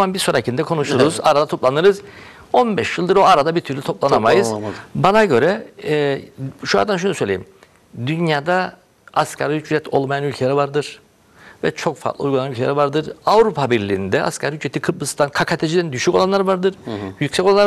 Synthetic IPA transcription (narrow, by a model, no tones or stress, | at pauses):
manbiɾsoɾacʰind̪ɛkʰo̞nuʃuɾuzaɾad̪at̪ʰo̞plˠanɯɾɯz | o̞nbɛʃjɯlˠd̪ɯɾo̞aɾad̪abiɾt̪ʰyɾlʲyt̪ʰo̞plˠanamajɯzz̥banaɟø̞ɾɛ | ʃua̰nd̪anʃ̬unusø̞jlʲḛim | d̪ynjaːd̪a | askʰaɾjyt͡ʃyɛt̪ʰo̞̰lˠmajanylʲcʰʲeɾɛvaɾd̪ɯɾ̥ | vɛt͡ʃʰo̞kfa̰ɾt̪lˠɯujɡulˠanylcʰeɛ̰ɾivaɾd̪ɯɾavɾupʰabiɾlʲḭːnd̪ɛʔa̰skʰaɾhyt͡ʃet̪ʰikʰɯb̚lɯst̪ʰankʰakʰat̪ʰed͡ʒid̪ænd̪yʃyco̞lˠanˠaɾvaɾd̪ɯɾ̥jycsɛcoanːɾ